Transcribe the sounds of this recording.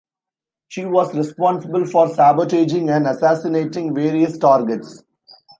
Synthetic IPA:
ʃiːʋɔːzɾɛspɔ̃ːnsɪbəlfɔːɾsæːbəʈeːd͡ʒɪ̃ŋɡæ̃ɳɖɐsæːsɪneːʈɪ̃ŋɡʋeːɾiəsʈaːɾɡeʈs

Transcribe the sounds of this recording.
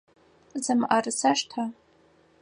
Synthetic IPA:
zɨmʔarɨsaʂtʰa

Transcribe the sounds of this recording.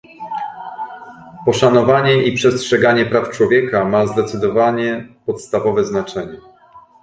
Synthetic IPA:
pɔʂanɔvaɲɛʔipʂɛstʂɛɡaɲɛpɾaft͡ʂwɔvʲjɛkamazd̪ɛt̪sɘd̪ɔvaɲɛpɔt̪st̪avɔvɛznat͡ʂɛɲɛ

